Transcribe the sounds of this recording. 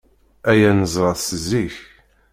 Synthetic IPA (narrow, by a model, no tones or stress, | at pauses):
æjænəzˤɾˤɑðsəziç